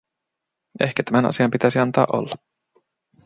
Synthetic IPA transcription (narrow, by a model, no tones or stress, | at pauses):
ehkæt̪æmænɑ̰siɑmpit̪æsiɑnt̪ɑːʔo̰lːɑ